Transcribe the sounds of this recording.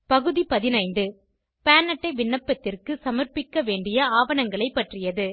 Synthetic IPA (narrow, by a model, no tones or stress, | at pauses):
pɐɣɯðipɐðɪnɐɪnɖɯ | paːnɐʈːɐɪʋɪɳːɐpːɐt̪ːɪrkɯsɐmɐrpɪkːɐʋeːɳɖɪjɐaːʋɐnɐŋɡɐɭɐɪpːɐʈrɪjɐðɯ